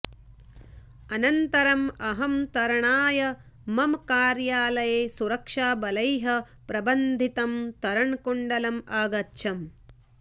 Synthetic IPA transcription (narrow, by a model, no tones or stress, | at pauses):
ɐnɐnt̪ɐɾɐmɐɦɐmt̪ɐɾɐɳaːjɐ | mɐmkaːɾjaːlɐjeːsuɾɐkʂaːbɐlɐjɦɐ | pɾɐbɐnd̪ʱit̪ɐmt̪ɐɾɐɳkoɳɖɐlɐmaːɡɐtːʃʰɐm